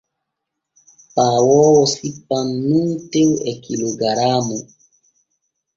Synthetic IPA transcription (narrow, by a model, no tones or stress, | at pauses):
pawɔwɔsipanːutewɛkiloɡaɾamu